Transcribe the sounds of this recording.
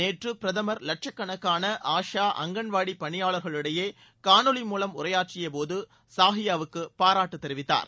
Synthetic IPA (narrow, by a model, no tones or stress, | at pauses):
eːʈrɯpɪɾɐðɐmɐɾlɐʈ̚t͡ʃɐkːɐɳɐkːaːnɐʔaːʂaːʔɐ̰ŋɡɐɳʋaːɽipːɐɳɪjaːɭɐɾɣɐɭɯɽɐjeː | kaːɳɯɭɪmuːlɐmʊrɐjaːʈrɪjɐpoːðɯ | saːɦɪjaːʋɯkːɯpaːɾaːʈːɯt̪ːɛɾɪʋɪt̪ːa̰ːɾ